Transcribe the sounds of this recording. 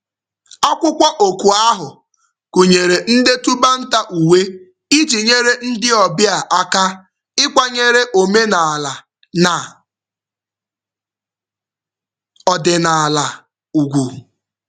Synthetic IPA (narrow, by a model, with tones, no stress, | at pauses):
a˦kʷʊ˦kʷa˦ʔo˨kʷu˨a˦ɦʊ˨ | ku˨ɲe˨ɾe˨n̩˦de˦tu˦ba˦n̩˦ta˦ʔu˨we˦ | i˦d͡ʒi˨ɲe˦ɾe˦n̩˦dɪ˦ɔ˨bɪ˦a˨ʔa˦ka˦ | ɪ˦kʷa˦ɲe˦ɾe˦ʔo˨me˦na˨a˨la˨ | na˨ | ɔ˨dɪ˨na˨a˨la˨ | u˨ɡʷu˨